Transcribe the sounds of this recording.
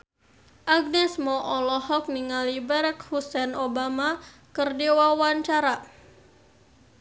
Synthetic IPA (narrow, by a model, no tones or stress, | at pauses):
ʔaɡ̚nɛsmɔʔɔlɔɦɔk̚niŋalibaɾak̚husɛnobamakərdewawaɲt͡ʃaɾa